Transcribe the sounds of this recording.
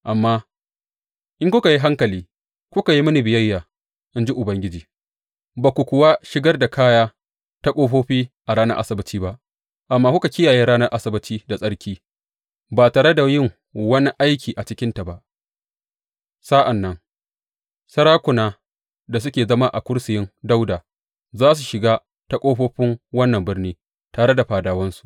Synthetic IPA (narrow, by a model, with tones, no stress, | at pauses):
ʔa˨mːaː˦ | ʔɪ˦ŋkʷʊ˦ka˨ji˦ɦa˦ŋkɐ˨liː˦ | kʷʊ˦ka˨ji˦mɐ˦ni˨bɪ˨jɐ˦jːaː˨ | ʔɪ˦nd͡ʒi˦ʔʊ˨bɐ˦ŋɡʲɪ˦d͡ʒiː˨ | ba˨kʷʊ˨kʷʊ˨waː˦ʃɪ˦ɡɐ˦rda˨kʰaː˦jaː˦ | ta˦kʼoː˦ɸoː˦ɸiː˦ʔa˨ɽaː˦nɐ˦rʔa̰˦sɪ˦bɪ˦tiː˦ba˦ʔ | ʔa˨mːaː˦kʷʊ˦ka˨kʲɪ˦jaː˨jeː˦ɾaː˦nɐ˦rʔa˦sɪ˦bɪ˦tiː˦da˨sʼɐ˦ɽkʲiː˦ | baː˨taː˨ɽe˦da˨jɪ˦ŋ | wɐ˦ni˦ʔa˦jkʲiː˨ʔa˨t͡ʃɪ˦kʲɪ˦nta˨ba˦ʔ | sa˦ʔa˨nːɐ˦ŋ | sɐ˦ɽaː˦kʷʊ˨naː˦ | da˨s̬ʊ˦kʲeː˨zɐ˦ma˦ʔa˨kʷʊ˦ɽsɪ˨jɪ˦ŋda˦wdaː˨ | zaː˦s̬u˨ʃɪ˨ɡaː˦ | ta˦kʷʼoː˦ɸoː˦ɸɪ˦ŋwɐ˦nːɐ˨mbɪ˦rniː˦ | taː˨ɽe˦da˨ɸaː˨daː˨wɐ˦nsu̥˨ʔ